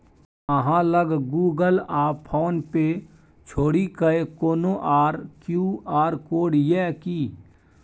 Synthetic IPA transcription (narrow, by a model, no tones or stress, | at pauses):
əɦãləɡɡuːɡəlaːpʰoːnpe | t͡ʃʰoːɽikəekoːnoʔaːɾkjuːaːɾkoːɖjɛkiː